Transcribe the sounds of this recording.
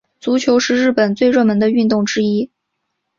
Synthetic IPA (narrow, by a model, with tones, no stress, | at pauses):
t͡su˧˥t͡ɕʰjo˧˥ʊʂɻ̩˥˧ɻɻ̩˥˩pə˨˩nt͡swe˥˧ɪɻɤ˥˩mə˧˥nd̪ə˧y˥˧nt̪ʊ˥˩ŋʈ͡ʂɻ̩˥i˥